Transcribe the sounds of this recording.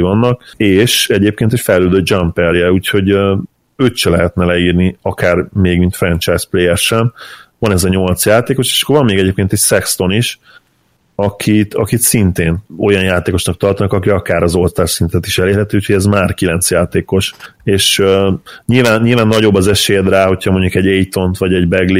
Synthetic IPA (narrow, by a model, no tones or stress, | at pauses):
vɒnːɒk̚eːʃɛɟeːp̚keːnt̪ɛcfɛjløːd̪øːd͡ʒampɛljɛuːcho̞ɟø | øːt̪ʃɛlɛɦɛt̪nɛlɛiːrniɒkaːrmeːɡmint̪frɛnt͡ʃajspleːjɛrʃɛnvɒnɛzɒɲo̞lt̪sjaːt̪eːko̞ʃe̥ːʃɒ̥kːorvɒmːeːɡɛɟeːp̚keːnt̪ɛcsɛkst̪o̞niʃ | ɒkʰit̪ʰɒkit̪sint̪eːno̞jɒnjaːt̪eːko̞ʃnɒk̚t̪ɒrt̪ɒnɒkɒkiɒkaːɾɒzo̞lt̪aːrsint̪ɛt̪iʃɛleːrɦɛt̪iuːcʰhoɟɛzmaːrkilɛnt̪sjaːt̪eːko̞ʃeːʃøɲilvaːnɲilvaːnːɒɟo̞bːɒzɛʃeːjɛd̪raːɦo̞cʰhɒmo̞ɲɟukɛɟejt̪o̞nt̪ʋɒɟɛɟbɛɡli